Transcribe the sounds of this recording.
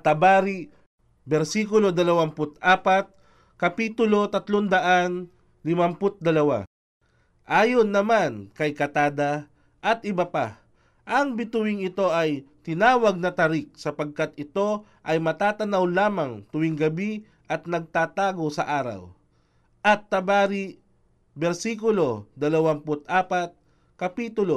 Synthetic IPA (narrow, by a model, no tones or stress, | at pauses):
t̪ɐbaːɾi | bɛɾsiːkʊlo̞d̪ɐlɐwampʊt̪ʔaːpat̪̚ | kɐpiːt̪ʊlo̞t̪ɐt̪lond̪ɐʔan | lɪmɐmpʊt̪̚d̪ɐlɐwa̰ | ʔaːjonːɐmankɐjkɐt̪aːd̪ɐ | ʔɐt̪ɪbɐpa̰ | ʔɐŋbɪt̪ʊwɪŋɪt̪o̞ʔɐjt̪ɪnaːwɐɡ̚nɐt̪ɐɾɪk̚sɐpɐɡ̚kat̪ɪt̪o̞ʔɐjmɐt̪aːt̪ɐnawlaːmaŋt̪ʊwɪŋɡɐbi | ʔɐt̪nɐɡ̚t̪aːt̪aːɡo̞sɐ̰ʔaːɾɐ̰w | ʔɐt̪ːɐbaːɾi | bɛɾsikʊlo̞d̪ɐlɐwampʊt̪ʔaːpat̪̚ | kɐpiːt̪ʊlo